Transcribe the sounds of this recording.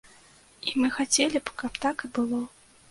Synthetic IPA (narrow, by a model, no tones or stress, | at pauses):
imɨxat͡sʲelʲibkapt̪akɨbɨlˠɔ